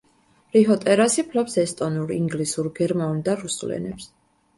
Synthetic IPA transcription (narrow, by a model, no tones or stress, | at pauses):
ɾiɦɔt̪ʼɛɾasipʰlɔpsɛst̪ʼɔnuɾiŋɡlisuɾɡɛɾmaund̪aɾusulɛ̰nɛps